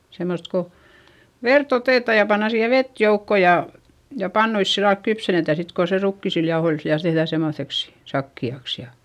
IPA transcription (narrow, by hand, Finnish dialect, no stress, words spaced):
semːost ko ʋert oteˑtɑˑ jɑ pɑnːɑ siːhe ʋet joukːo jɑ jɑ pɑnːuis silːɑlk kypsenetæ sit ko se rukːisil jɑohoil ʋiæl tehðæˑ semːoθeks sɑkːiɑks jɑ